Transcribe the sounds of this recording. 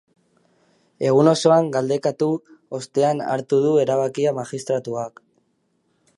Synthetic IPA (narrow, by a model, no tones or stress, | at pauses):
e̞ɣ̞uno̞so̞aŋɡald̪e̞kat̪uo̞st̪e̞ana̰ɾt̪uð̞ue̞ɾaβakiamaʝist̪ɾat̪uak